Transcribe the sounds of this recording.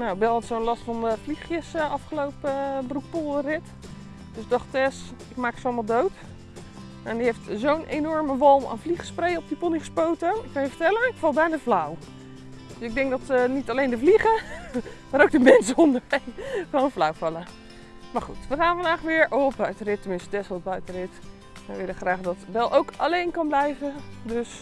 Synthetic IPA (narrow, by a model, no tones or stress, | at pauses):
nawɪɡbɛlˠɑtsonlɑstfɑnəvliχjəsɑfχəlowpəbəruk̚polˠrɪt | d̥øsɪɡ̚dɔχtɛsɪkmaːkə̥tsoɑlˠmalˠdowt | mandiɦeftzownʔenɔɹməʋɔlˠma̰nvliχəsprejɔp̚dipoliχəspowtəɪkːɑnjəvəɹtɛlənɪkfɑlˠbɛjnaːvlaw | d̥øsɪɡ̚dɛŋk̚dɔtnitalejndəvliχə | maːɾowɡ̚dəmɛnsəɔndəɹɛjχəʋownvlawvɑlˠə | maːɹχutʋəχaːnvɑndaːχʋɪːɹʔɔpbbœɥtərɪtːəmɪnsdɛsbœɥtərɪt | ʋəjʋɪləχraːχdɑtʋɛlˠʔowkalejnkɑnblɛjvədøs